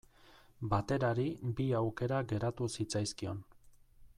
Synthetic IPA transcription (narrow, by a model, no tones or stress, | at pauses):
bat̪e̞ɾaɾibiawke̞ɾaɣe̞ɾat̪usit͡sajskio̞n